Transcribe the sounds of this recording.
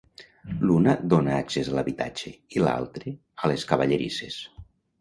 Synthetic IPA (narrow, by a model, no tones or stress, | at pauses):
lunad̪onaːksezalaβit̪a̰d͡ʒeila̰lˠt̪ɾe | əleskaβaʎeɾḭses